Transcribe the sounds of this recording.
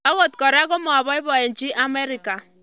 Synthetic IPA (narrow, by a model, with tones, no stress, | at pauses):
ɔ˦ɣo˨tkɔ˨ɾa˦ɡo˦mɔ˨a˨bɔ˦i˦bɔ˨e˨nd͡ʒi˦ʔa˦me˦ɾi˨ka˨